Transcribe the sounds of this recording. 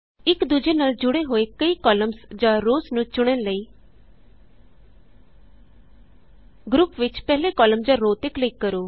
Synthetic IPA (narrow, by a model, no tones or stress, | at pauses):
ɪkd̪ud͡ʒeːnaːld͡ʒʊɽeɦoːekəiːkɔːləmsd͡ʒãːɾoːsnũːt͡ʃʊɽ̃ənləiː | ɡɾʊpʋɪt͡ʃpɛːleːkɔːləmd͡ʒãːɾoːt̪ɪklɪiːkkəɾoː